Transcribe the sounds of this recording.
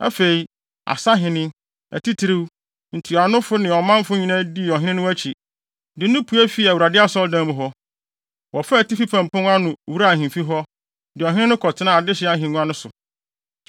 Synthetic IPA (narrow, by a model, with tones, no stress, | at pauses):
a̰˦fe˨i˨ | a̰˨sa˦ɦɪ̃˨nɪ̃˦ | æ̰˨ti˦tʰi˨˦ɾi˦w | n̩˨tʰu˨a˨nʊ̃˦fʊ˦nɪ̃˨ɔ˨mã˦m˦fʊ˦ɲĩ˨nã˦di˦˨ɔ˨ɦɪ̃˦nɪ̃˦nʊ̃˦æ˦t͡ɕʰi˨ | dɪ˨˦nʊ̃˦pʰu˦æ˦fi˦˨æ˨wu˨ɾa˨dɪ˦a˦sɔ˦ldã˦m̃˨ɦɔ˦ | wɔ˨fɛ˦˨ti˦fi˦pʰã˨mpʰʊ̃˦ŋ˦a˦nʊ̃˨wu˦ɾa˦˨hɪ̃˨m˨fi˦ɦɔ˦ | dɪ˨ɔ˨ɦɪ̃˦nɪ̃˦nʊ̃˦kʰɔ˨tʰɪ˦nã˦˨a˨dɪ˦ɕɪ˨˦a˨ɦɪ̃˨nũ˦ã˦nʊ̃˦sʊ˨